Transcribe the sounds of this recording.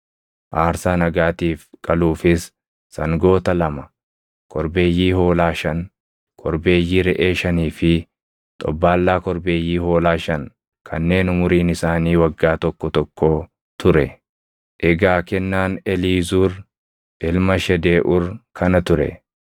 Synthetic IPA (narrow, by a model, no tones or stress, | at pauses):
ʔaːɾsaːnɐɡaːt̪iːfkʼɐluːfɪsː | ɐŋɡo̞ːt̪ɐlɐmɐ | kʰʼɔɾbe̞ːjːiːho̞ːlaːʃɐn | kʰɔɾbe̞ːjːiːɾɛʔe̞ːʃɐniːfɪ | t̪ʼɔ̰bːaːlːaːkɔɾbe̞ːjːiːho̞ːlaːʃɐn | kʰɐnːe̞ːnʊmʊɾiːnɪsaːniːwɐɡːaːt̪ɔkːɔt̪ɔkːoː | t̪ʊɾɛ | ʔɛɡaːkɛnːaːnɛliːzuːɾ | ʔɪlmɐʃɛd̪eːʔʊɾkʰɐnɐt̪ʊɾɛ̰